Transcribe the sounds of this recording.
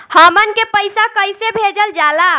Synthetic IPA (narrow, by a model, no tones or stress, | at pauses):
həmənkepəjsakəjsebʱed͡ʒəld͡ʒala